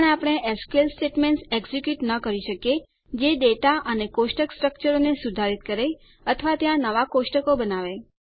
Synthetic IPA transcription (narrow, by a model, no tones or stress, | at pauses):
ɳapɽ̃eʔeskelsʈeʈmẽɳʈseɡzikjuʈnəkəɾiʃəkje | d͡ʒeɖeʈaʔənekoʃʈəksʈɾək̚t͡ʃəɾonesud̪ʱaɾit̪̚kəɾe | ət̪ʰəʋat̪jãnəʋakoʃʈəkobənaʋe